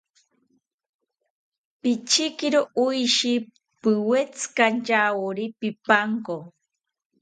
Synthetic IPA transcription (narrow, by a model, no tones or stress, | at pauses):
pit͡ʃɪkɪɾoʔʊjʃi | pɨwet͡skant͡ʃawoɾipipaŋko